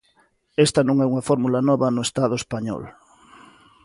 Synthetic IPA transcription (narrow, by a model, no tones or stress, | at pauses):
est̪ɐnõŋɛuŋɐfɔɾmulɐnɔβɐnʊest̪aðʊespaɲɔ̰l